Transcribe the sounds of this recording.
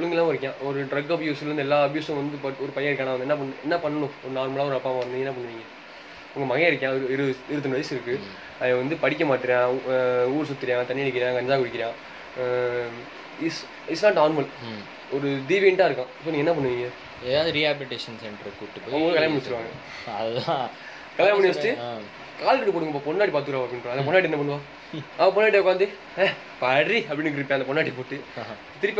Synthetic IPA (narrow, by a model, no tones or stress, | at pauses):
ʊɭɯŋɡɐlːãːɪɾɯkːjãːʔɔɾɯɖɾɐɡɐbjuːsɪlɾɯnd̪ɯɛlːaːɐbjuːsɐ̃ʋɐnd̪ɯpɐɔɾɯpɐjɐ̃ɪɾɯkːãːnaːʋɐnd̪ɛnːɐp̬ɐɳːɯɛnːɐpɐɳːɐɳʊ̃ɔɾɯnaːɾmɐlaːɔɾɯɐpːaːmaːɪɾɯnd̪iŋɡɛnːɐpɐɳːɯʋiːŋɡɐ | ʊŋɡɐmɐɣɛ̃ɪɾɯkːãːɾɪɾɯɪɾɯt̪ːɯnɐʋɐɪsɪɾɯkːɯ | ɐðãːʋɐnd̪ɯpɐɽɪkʲːɐmaːʈːɪɾjãːuːɾɯs̬ʊt̪ːɪɾɪjãːt̪ɐɳːɪɪɽɪkːɪɾɪjãːkɐnd͡ʒaːkʊɽɪkʲːɪɾjãː | ɪs | ɪsnaːʈnaːɾmɐl | ɔɾɯd̪iːʋinʈːaːɪɾɯkːãːsoːnĩːŋɛnːɐp̬ɐɳːɯŋiːŋɡɐ | eːðaːðɯɾiaːbɪlɪʈeːʂɐnsɛɳʈɾɐkuʈːɯpoːɐʋɐɡɐlkɐljːmɐnɪsɪɾɯʋãːŋɡɐ | ɐlː | kɐljmɐnɪʋɐsʈːɯ | kaːlkɐʈːɯp̬oːɽɯŋɡɐpopɔɳːaːʈipaːɾt̪ɯkɪɾaːʋɐpːɐɽɪnɾɐnd̪ɐpɔnːaːʈ̬inːɐpɐnːʋaː | ɐp̬ɔnːaːʈiekːaːnd̪i | pɐɾiɐpːɐɽɪnːɯkɪɾɪpːãːɐd̪ɐpɔnːaːʈipoːʈːɯ | t̪ɪɾɪpː